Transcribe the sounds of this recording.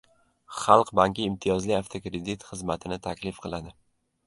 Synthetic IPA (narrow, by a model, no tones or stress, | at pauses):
χɑlˠqbaŋkʲɪːmt̪ʰijɒzliaft̪ʰokɾed̪it̪χɨzmat̪ʰɪnɪt̪ʰakʲlɪfqʰɨlˠad̪ɪ